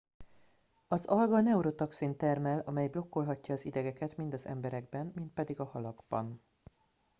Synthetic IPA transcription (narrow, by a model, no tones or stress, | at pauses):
ɒzɒlɡɒnɛuɾot̪ɒksint̪ɛrmɛlɒmɛjblo̞kːo̞lɦɒcːɒːzid̪ɛɡɛkɛt̪mind̪ɒzɛ̰mbɛɾɛɡbɛnmint̪̚pɛd̪iɡɒhɒlɒɡbɒ̰n